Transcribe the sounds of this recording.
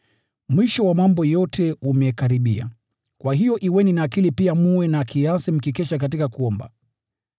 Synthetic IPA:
mwiʃɔwamambɔjɔtʰɛumɛkaɾiɓia̰ | kwaɦijɔʔiwɛninaːkilipiamuwɛnakʰiasim̩kikɛʃak̬at̬ikakuɔmba̰

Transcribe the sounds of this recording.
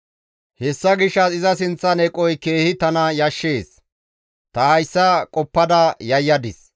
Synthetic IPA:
hɛsːɐɡɪʃːɐsɪzɐs̬ɪnt͡sːɐnɛkʼɔjke̞ːhɪt̪ɐnɐjɐʃːe̞ːs | t̪ɐhɐjsːɐkʼɔpːɐd̪ɐjɐjːɐd̪ɪs

